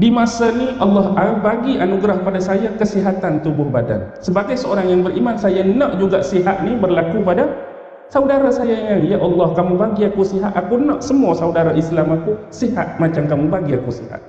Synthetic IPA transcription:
dimasaniʔɑlːɑɦabaɡianuɡɾahkpadasajakəsiɦat̪ant̪ubʊhbada̰nsəbaɡajsəoɾaŋjaŋbəɾʔimansajanɔʔd͡ʒuɡaʔsiɦat̪̚nibərlakupada | saudaɾasajaiŋajaʔɑlːɑhkamubaɡiakusiɦat̪akunɔʔsəmuasaudaɾaʔislamakusiha̰t̪̚mat͡ʃamkamubaɡiakusḭha̰t̪̚

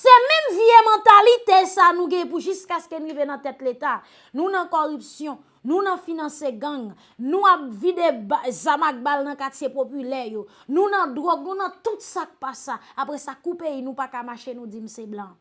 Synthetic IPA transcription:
sɛmɛ̃mviemãt̪alit̪esanũɡɛ̃puʒyskaskenũivenɐ̃t̪ɛt̪let̪a | nũnɐ̃kɔʁypsjɔ̃ | nũnɐ̃finɐ̃seɡɐ̃ŋ | nũap̚vid̪ebazamak̚balnɐ̃kat͡sjepopylɛjo | nũnɐ̃d̪ʁɔɡ̚nũnɐ̃t̪ut̪sak̚pasaːpɣɛsakupeinũpakamaʃenũd͡zim̩seblã

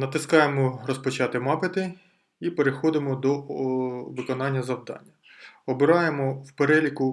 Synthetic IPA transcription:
nɐt̪ɪskɑjemɔrɔspɔt͡ʃɑt̪ɪmɑpet̪ɪ | ipeɾexɔd̪ɪmɔd̪ɔ | ʋɪkɔnɑnʲːɐzɐwd̪ɑ̰nʲːɐ | ɔbɪɾɑjemɔwpeɾɛlʲikʊ

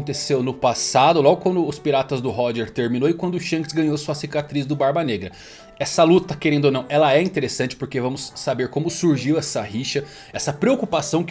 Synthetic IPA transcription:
t̪esewnʊpasad̪ʊlɔɡʊkwɐ̃nd̪ʊːspiɾat̪ɐzd̪ʊɦɔʒɛɾt̪eɾmĩnowɪkwɐ̃nd̪ʊʃɐ̃kɪzɡɐ̃ɲosuɐsikat̪ɾizd̪ʊbaɾbɐneɡɾɐ | ɛsɐlut̪t̪ɐkeɾẽnd̪onɐ̃w̃ʔɛlɐɛĩnt̪eɾesɐ̃nt͡ʃɪ̥poɾkevɐ̃mʊsːabeɾkõmʊsuɾʒiwɛsɐhiʃɐ | ɛsɐpɾeokupasɐ̃w̃k

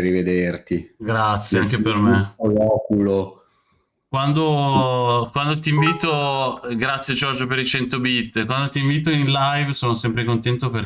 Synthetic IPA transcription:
rːived̪ert̪iɡɾat̪sːjeaŋkepermeolɔːkulo | kwand̪o | kwand̪ot̪iɱviːt̪oɡɾat̪sːjed͡ʒɔrd͡ʒopeɾit͡ʃɛnt̪obit̪ːkwand̪ot̪iɱviːt̪oinlajvsoːnosɛmpɾekont̪ɛnt̪oper

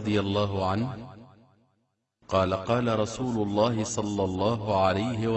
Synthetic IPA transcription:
d̪ˤɨjalˤːɑːɦʊʕanh | qɑːlaqɑːlaɾˤɑsuːlʊlˤːɑːhɪsˤɑlːɑlˤːɑːɦʊʕalajhɪw

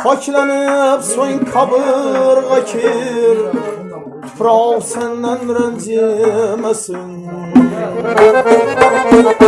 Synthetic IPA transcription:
pʰɒt͡ʃʰlanɪpsoŋqʰɑbɨɾʁɑkʲʰeɾ | t̪ʰʊ̥pʰɾaɒlˠsand̪anɾanzinmasɪn

